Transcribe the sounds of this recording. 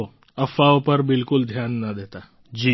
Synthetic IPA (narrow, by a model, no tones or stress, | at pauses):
o | ɐfaopəɾbɪlkʊld̪ʱjaːnːɐd̪eːt̪aː | d͡ʒiː